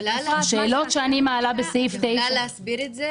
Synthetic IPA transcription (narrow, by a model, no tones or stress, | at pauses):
aʃeːlo̞tʃeanimaːlabesejft̪ej